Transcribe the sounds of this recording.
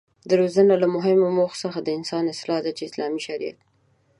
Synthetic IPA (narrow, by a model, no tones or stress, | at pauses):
d̪əɾozənalamʊɦɪmomoxsəxad̪əɪnsɑnɪslɑd̪at͡ʃeɪslɑmiʃaɾija̰t̪̚